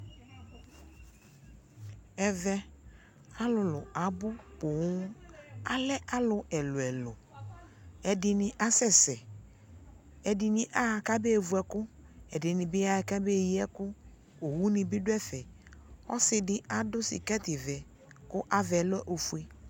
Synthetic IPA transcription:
ɛ˨vɛ˦ | a˦lʊ˨lʊ˨a˨bʊ˦pʊ˨ŋʊ˦a˨lɛ˦ʔa˦lʊ˨ɛ˨lʊ˨ɛ˨lʊ˨ | ɛ˨dɪ˨nɪ˨ʔa˦sɛ˦sɛ˨ | ɛ˨dɪ˨nɪ˨ʔa˦˨ka˦be˦˨vu˨ɛ˨kʊ˦ɛ˨dɪ˨nɪ̃˨bɪ˦a˦ɛ˨ka˦be˦˨ji˦ɛ˦kʊ˦ | o˨wu˦nɪ̃˨bɪ˦dʊ˦ɛ˦fɛ˨ | ɔ̰˦sɪ˨dɪ˦ʔa˨dʊ˦sɪ̰˨ka˦t̪ɪ˨vɛ˨ | kʊ˦ʔa˦vɛ˨lɔ˦ʔo˨fu˦e˦

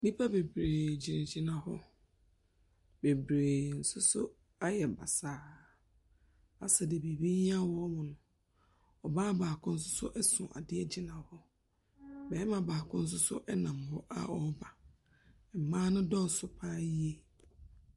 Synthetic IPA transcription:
mĩ˦pʰa˦be˨bɾe˨d͡ʑi˨nɪ̃˨d͡ʑi˦nã˨hɔ̰˦ | be˨bɾe˨n̩˨sʊ˦sʊ˦ | a˦jɛ˨ba̰˨saː˨˦ | a̰˨sɛ˨de˨bi˨bi˦ɲi˦a˦wɔ˦mʊ̃˨nʊ̃˨ | ɔ˨baː˦baː˨kʰʊ̃˦n̩˦s̬ʊ˦sʊ̰˦ʔɛ˦sʊ̰̃˨ʔa̰˨dɪ˦ɛ˦d͡ʑi˨nã˨hɔ˦ | bɛ˨˦mã˨baː˨kʰʊ̃˦n̩˦s̬ʊ˦sʊ˦ʔɛ˦nã˨mhɔ˦ʔa̰˨ɔ˦ba˨ | m̩˨mãː˦nʊ̃˦dɔ˦˨sʊ˨pʰaː˦ji˦e˦

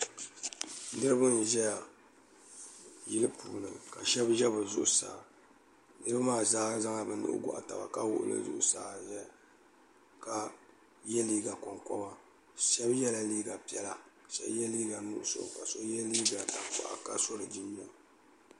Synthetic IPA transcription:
nɨ˦ɾɨ˦bɨ˦n˨ʒɛ˦ja˨ | jɪ˦lɨ˦pṵː˨nɨ˨ka˨ʃɛ˦bʒɛ˦bɨ˨zʊ˦ʔʊ˨sa̰ː˨ | nɨ˦ɾɨ˦a˦maː˦zaː˦za˦ŋa˨bɨ˨nṵ˦ʔɡʷʊ̰˨ʔa̰˨ta̰˨ba̰˨ka˦wʊ̰˦ʔʊ̰˦lɨ̰˦zʊ̰˦ʔʊ˨saː˦˨ʒɛ˦ | ka˦ | jɛ˦liː˦ɡa˨kɔ˨ŋkɔ̰˦ba˦ | ʃɛ˦bjɛ˦la˨liː˦ɡa˨pi˦ɛ˦la˨ʃɛ̰˦bjɛ˦liː˦ɡa˨nṵ˦ʔʊ˦so̰˨m˨ka˨so˦jɛ˦liː˦ɡa˨ta˨kɔ̰˨ʔa̰˨ka˦so˦ɾɨ˨di˦m˦ja˨

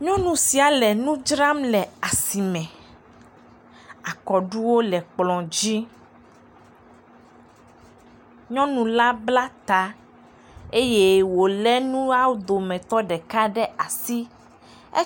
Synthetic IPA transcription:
ɲɔ̃˦nũ˨si˨a˨lɛ˨nũ˦d͡ʒɾa˦mlɛ˨a˨si˨mɛ̃˨ | a˨kɔ˨ɖu˦wo˦lɛ˨k͡plɔ̃˨d͡ʑi˦ | ɲɔ̃˦nũ˨la˦bla˦t̪a˨ | e˦je˦wo˨lɛ˦nũ˦a˦wu˦d̪o˨mɛ̃˨t̪ɔ˦ɖɛ˨ka˦ɖɛ˦a˨si˦ | ɛ̰˦

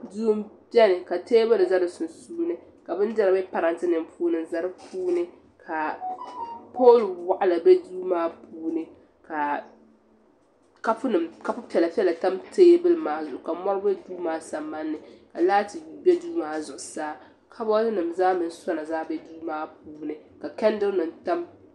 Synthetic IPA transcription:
duː˦m | bɛ˦nɨ˨ka˨teː˦bɨ˦lɨ˨za˦ɾɨ˨sʊ˨nsuː˦nɨ˦ | ka˨bɨ˦n˦dɛ˦ɾa˨bɛ˦pa˨ɾa˦ntɨ˦nɨ˨mpʰuː˦nɨ˨mza˦ɾɨ˦pʰuː˦nɨ˦ | kʰa˨ | pʰoː˦lwa˨ʔa˦la˨bɛ˦duː˦maː˦puː˦nɨ˦ | ka˨ | ka˦pnɨ˨mka˨˦pʊ˦pɛ˨la˨pʲɛ˦la˨ta˦mteː˦bɨ˦lɨ˨maː˦zʊ˨ʔʊ˨ka˨mɔ˦ɾbɛ˦duː˦maː˦sa˨mːa˦nːɨ˨ka˨laː˦ti˨bɛ˦duː˦maː˦zʊ˨ʔʊ˨saː˦ | kʰa˦bɔ˦lɨ˦nɨ˨mzaː˦mɪ˨n˦sɔ˦na˨zaː˦bɛ˦duː˦maː˦p̚uː˦nɨ˨ka˨kɛ˦n˦dɨ˦ɾnɨ˨n˨ta˦m

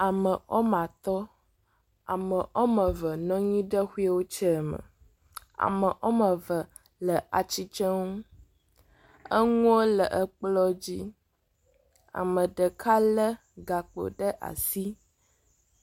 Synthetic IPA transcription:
a˨mə˨ʔɔ̰˦mã˨t̪ɔ˦ | a̰˨mə̃˨ʔɔ˦mə˨və˨nɔ̃˦ɲĩ˦ɖə˦xʷu˦a˦wo˦t͡ʃə˦˨mə̰˨ | a̰˨mə̃˨ʔɔ˦mə̃˨və˨ | lə˨ʔa˨t͡ɕi˦t͡ʃə˦ŋũ˦ | ə˦ŋũ˦o˦lə˨ʔə˦k͡plɔ˦d͡ʑi˦ | a̰˨mə̃˨ɖə˨kʰa˦lə˦ | ɡa˨k͡po̰˨ɖə˦ʔa̰˨si˦

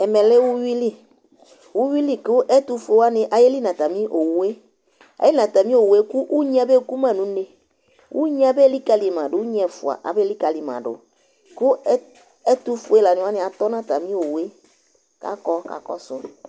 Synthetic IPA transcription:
ɛ˨mɛ˨lɪ˦wʊ˦wi˦li˦ | wʊ˦wi˦li˦kʊ˦ʔɛ˦tu˦fe˨˦wa˦nɪ̃˦ʔa˨je˦li˦nã˨ta˨mĩ˦ʔo˨we˦ | a̰˨je˦nã˨ta˨mĩ˦o˨we˦ku˦ʔu˦ɲ˦ã˨be˦ku˦mã˦˨nũ˨˦ne˨ | wʔu˦ɲ˦a˦be˦li˦ka˨li˨mã˨dʊ˨u˦ɲ˦ɛ˨fʊ̰˨a̰˨ʔa̰˨be˦li˦ka˨li˨mã̰˨ɖʊ̰˨ | kʊ˦ | ɛ˦tu˦fʊ˨e˦la˨nɪ˨wa˦nɪ̃˦a˨t̪ɔ˦nã˦ta˨mĩ˦o˨we˦ | ka̰˦kɔ˦ka̰˨kɔ̰˦sʊ˦

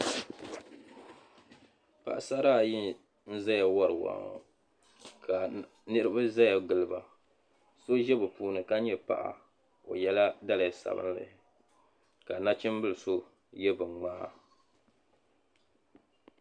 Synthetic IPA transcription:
pa̰˨ʔa˨sa˦ɾaː˦˨ji˦ | n̩˦za˦ja˨wa˦ɾɨ˨wa̰˨ŋ̰˨ | kʰa˨ | nɨ˦ɾɨ˦ba˦za˦ja˨ɡɨ˨lɨ˨ba˨ | so˦ʒɛ˦bɨ˨puː˦nɨ˨ka˦ɲɛ˦pa̰˨ʔa̰˨ | o̰˨jɛ˦la˦da˦lɨ˨sa̰˨bɨ̰˦nla̰˨ | ka˨na˦t͡ʃɪ˦mbɨ˦lɨ˨so˦ | jɛ˦bɨ˨ŋ͡maː˦

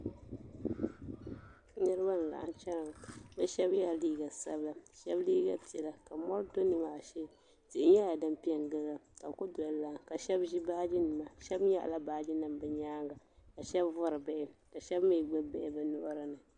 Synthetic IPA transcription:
nɨ˦ɾɨ˦ba˦n˨la̰˨ʔa̰˦nt͡ʃɛ˦ɾɨ˨ŋbɛ˦ʃɛ˦bja˦˨liː˦ɡa˨sa˦bla˨ʃɛ˦bliː˦ɡa̰˦ti˨ɛ˨la˨ka˨mɔ˦ɾdo˦nɨ˨maː˨ʃe˦ | ti˨ʔɪ˦ɲɛ˦la˨dɨ˦mpi˦ɛ˨ŋɡɨ˦ɡa˨ka˨bkʊ˦dɔ˨lla˨ka˨ʃɛ˦bʒi˦baː˦d͡ʒi˦nɨ˨ma˨ʃɛ˦bɲa̰˦ʔla˦baː˦d͡ʒi˦nɨ˦mbɛ˨ɲaː˦ŋɡa˨ | ka˨ʃɛ˦bvɔ˦ɾɨ˨bɛ˦ʔɪ˦ka˨ʃɛ˦bme˨ɡ͡bɨ˦bɛ˦ʔɛ˨bɛ˨nɔ˦ʔʊ˦ɾɨ˦nɨ˨

